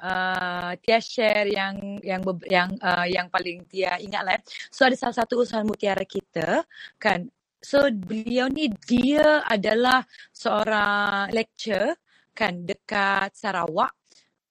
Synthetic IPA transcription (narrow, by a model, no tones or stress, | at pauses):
ʔət̪iaʃɛrjaŋjaŋbəbjaŋəjaŋpalɪŋt̪iaiŋat̪lajasoadasalasat̪uːsaɦanmut̪iaɾakit̪akan | sobəliawnidiaa̰dalahsəoɾaŋlɛk̚t͡ʃə | kandəkat̪̚saɾa̰wa̰ʔ